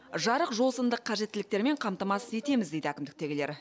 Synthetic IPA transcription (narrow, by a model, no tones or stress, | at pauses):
ʒɑɾəqʒo̞sənd̪əqʰːɑʒe̞t̪ːɪlɪk̚t̪e̞ɾme̞ɴqʰɑmt̪ɑmɑsəe̞t̪e̞mɪzd̪e̞jd̪ɪækʲɪmd̪ɪk̚t̪e̞ɡʲɪle̞ɾ